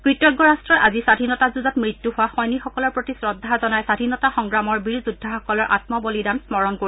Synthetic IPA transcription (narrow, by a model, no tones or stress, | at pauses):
kɹitɔɡːɔɹastɹɔjʔazisadʱinɔtazuzɔtmɹitjuɦʊwaxɔjnixɔkɔlɔɹpɹotisɹɔdʱːazɔnajsadʱinɔtaxɔŋɡɹamɔɹbiɹzudʱːaxɔkɔlɔɹʔa̰tmɔbolidamsmɔɹɔnko